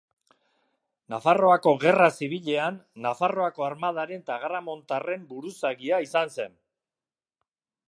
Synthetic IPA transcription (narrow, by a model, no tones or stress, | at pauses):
nafaro̞ako̞ɣe̞rasiβ̞iʎe̞anːafaro̞ako̞aɾmað̞aɾe̞nt̪aɣɾamo̞nt̪are̞mbuɾusaɣiaisanse̞n